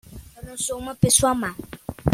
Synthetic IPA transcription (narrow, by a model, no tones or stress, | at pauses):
nũsomẽpesuamã